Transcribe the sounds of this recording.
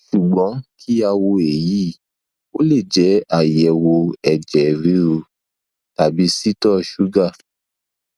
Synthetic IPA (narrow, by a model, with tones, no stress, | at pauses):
ʃu˨ɡ͡bɔ̃˨˦kʰi˦a˧wo˧e˨ji˨˦ | o˦le˦˨d͡ʒɛ˨˦a˦˨jɛ˨˧wo˧ɛ˨d͡ʒɛ˨ɾi˨˦ɾu˧ | ta˨bi˨˦si˦tɔ˦˨ʃu˨˦ɡa˦˨